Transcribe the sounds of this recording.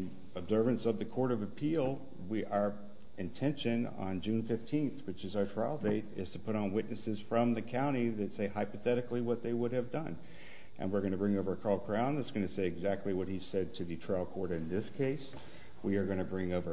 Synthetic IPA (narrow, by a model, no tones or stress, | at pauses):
ɨbzɜ˞vɨ̃nsʌvðɨkʰɔɹɾʌvɨpʰilˠ | wiʔə˞ | ɨ̃ntʰɛ̃nʃɨ̃nə̰̃nd͡ʒʉ̃nfɪftʰĩnθwɨt͡ʃɨzaə˞tʰɹ̥aɪlˠdeɪɾɪ̰z̥tʰɨpʰʊɾn̩wɪʔⁿnɨsɨz̥fɹʌ̃mðɨkʰãʊ̃ɾ̃iðɨtseɪhaɪpɨθɛɾɨkliwʌt̪̚ðeɪwʊɾɨvdʌ̃n | ʔɨ̰̃nwɨɹɡʌ̃ñɨbɹɪ̃ŋoʊvə˞kʰɑlˠkʰɹ̥ãʊ̃nðætsɡ̥ʌñɨseɪɨɡzæk̚tˡliwʌt̚hiz̥sɛd̚tʰɨðɨtʰɹ̥aɪl̩ˠkʰɔɹɾɨ̃nðɪskʰeɪs | wiə˞ɡʌ̃nɨbɹɪ̃ŋoʊvə˞